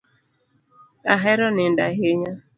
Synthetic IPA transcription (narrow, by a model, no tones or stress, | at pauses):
aɦɛɾɔnɪnda̰ɦeɲa